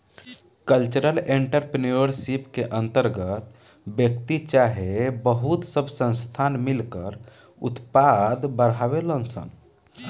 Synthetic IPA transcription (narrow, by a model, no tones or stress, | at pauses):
kəlt͡ʃəɾəleɳʈəɾpnioɾsipkeʔənt̪əɾɡət̪ | bjəkt̪it͡ʃaɦebəɦut̪səbʱsə̃nst̪ʰanmilkəɾ | ṵt̪pad̪bəɾɦaʋelənsə̰n